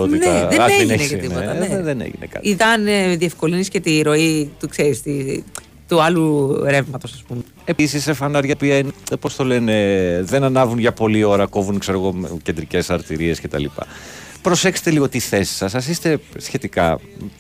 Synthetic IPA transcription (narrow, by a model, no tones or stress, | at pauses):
ot̪inɐðɐeneɐt̪inoɐðenḛʝḭnekɐ̰t̪iðɐnðie̞fko̞liniscet̪iɾo̞it̪ukseɾist̪i | t̪uɐluɾe̞vmɐt̪o̞sɐspume | episisefɐnɐɾʝɐpiɐinpo̞st̪o̞lene̞ðe̞nɐnɐvunʝɐpo̞lio̞ɾɐko̞vunkse̞ɾo̞ɣo̞mce̞nd̪ɾice̞sɐɾt̪iɾie̞scet̪ɐ̰lḭpɐ̰ | pɾosekse̥t̪e̞liɣot̪iθe̞si̥sɐsɐs̬ist̪e̞sçe̞t̪ikɐ̰